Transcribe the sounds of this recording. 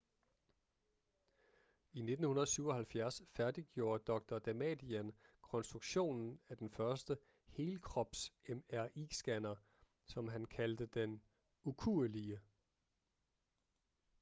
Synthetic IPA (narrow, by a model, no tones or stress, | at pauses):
ine̝d̥n̩hunɐðˠsyʊ̰ɒ̽hælfjæɐsfæɐd̥iɡ̥jo̝ːɐd̥ɒ̽ɡ̥̚d̥ɐd̥æmɛ̰d̥iænkʰɒ̽nsd̥ʁuɡ̥ɕo̝̰ːnn̩æɐd̥enfɶɐsd̥ə | he̝ːlkʰʁɒ̽b̥semæɐ̰ʔḭːsɡ̥ænɐ | sɒ̽mɦænkʰæld̥əd̥en | ukʰuəliə